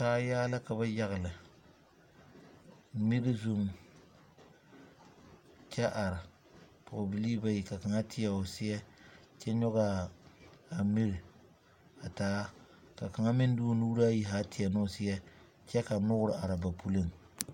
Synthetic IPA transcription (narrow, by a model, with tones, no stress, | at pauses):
kaː˦jaː˦la˦ka˨ba˦ja˦ɣɪ˨lɨ˨ | mi˦ɾi˦zu˦m | t͡ʃɛ˦ʔa˨ɾɪ˨ | pʰʊ˨bi˨liː˦ba˦ji˨ka˨ka˨ŋa˦tʰɪ˦ɛ˨ʊ˨sɪ˦ɛ˦ | t͡ʃɛ˦ɲɔ˦ɣa˦ | a˨mi˦ɾɪ˨ | a˨taː˨˦ | ka˨ka˨ŋa˦mɪ˦n˦duː˦lu˦ɾa˦ji˦˨ɦaː˦tʰɪ˨ɛ˨nʊ˦˨sɪ˦jɛ˦ | t͡ʃɛ˦ka˨nʊ˦ɡʊ˦ɾɨ˨ʔa˨ɾa˨ba˨pu˦lɨ˦ŋ˨